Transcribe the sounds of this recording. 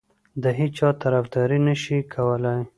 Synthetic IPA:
d̪əɦit͡ʃɑt̪aɾafd̪ɑɾinəʃikʰawəlaj

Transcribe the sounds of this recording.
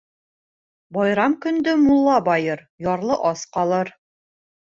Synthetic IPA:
bɒjɾɑmkɵ̆nd̪ɵmulˠːɑbɒjɤɾ | jɒɾlˠɤʔɒsqɒlˠɤɾ

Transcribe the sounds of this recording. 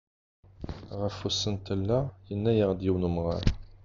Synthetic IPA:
ʁəfusːənt̪əlːæjənːæjəʁd̪jiwnumʁa̰ɾ

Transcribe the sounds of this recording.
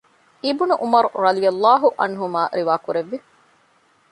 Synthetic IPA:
ibunuʔumɐɾuɾɐd̪ijɐlːaːɦuʔɐ̰nɦumaːɾiʋaːkuɾeʋːi

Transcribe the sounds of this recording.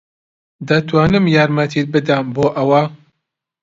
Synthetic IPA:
d̪ɐt̪ʰwaːnɨmjaːɾmɐt̪ʰiɾbɨd̪ɐmboːʔɐwa

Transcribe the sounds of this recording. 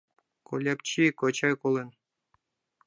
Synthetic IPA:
ko̰lʲap̚t͡ɕikot͡ɕɑjkolen

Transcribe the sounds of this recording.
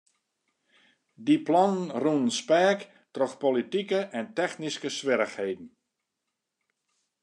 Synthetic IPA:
diplɔnənrunspɛːk | trɔxpolitikəʔɛntɛxniskəsʋɪɾəxhejdn̩

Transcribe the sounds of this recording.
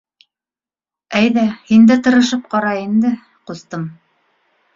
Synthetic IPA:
æjðæhind̪æt̪ɤ̆ɾɤ̆ʃɤp̚qɑɾɑind̪ɘ | qust̪ɤm

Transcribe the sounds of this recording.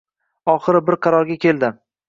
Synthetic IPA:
ɒχɨɾɪbɪɾqʰɑɾɒɾɡʲakʲʰelˠd̪ɪ

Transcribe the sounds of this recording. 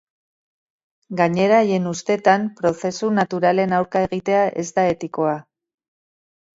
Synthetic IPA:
ɡaɲe̞ɾaje̞nust̪e̞t̪ampɾo̞θe̞sunat̪uɾale̞nawɾkae̞ɣit̪e̞aʔe̞zd̪ae̞t̪iko̞a

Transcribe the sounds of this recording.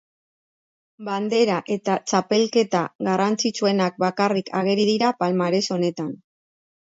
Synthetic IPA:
band̪e̞ɾaʔe̞t̪at͡ʃape̞lke̞t̪aɣarant͡sit͡sue̞nak̚bakarikʰaɣe̞ɾiðiɾapalmaɾe̞so̞ne̞t̪an

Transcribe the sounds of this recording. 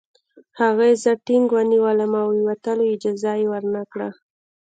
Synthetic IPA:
haɣajezəʈɪŋɡwəniwələmawiwat̪əlojɪd͡ʒɑzajewəɾnakɽa

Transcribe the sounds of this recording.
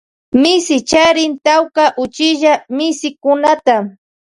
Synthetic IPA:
mɪsɪt͡ʃaɾɪnt̪awkaʔʊt͡ʃɪʒamɪsɪkʊnat̪a

